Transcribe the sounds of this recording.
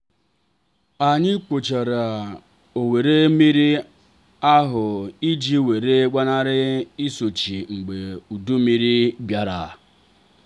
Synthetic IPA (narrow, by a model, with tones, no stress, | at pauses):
a˨ɲɪ˦kʷo˨t͡ʃa˨ɾa˨ | o˨we˨ɾe˦mi˦ɾi˦ | a˦ɦʊ˨i˦d͡ʒi˦we˨ɾe˦ɡ͡ba˦na˦ɾɪ˦i˦so˨t͡ʃi˨ŋ͡m̩˨ɡ͡be˨u˨du˦mi˦ɾi˦bja˦ɾa˨